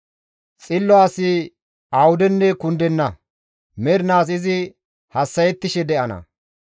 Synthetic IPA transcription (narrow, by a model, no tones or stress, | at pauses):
t͡sʼɪlːɔaːsɪ | awʊd̪ɛnːɛkʊnd̪ɛnːɐ | mɛɾnaːs̬ɪzɪ | hɐsːɐjɛt̪ːɪʃɛd̪ɛʔɐnɐ̰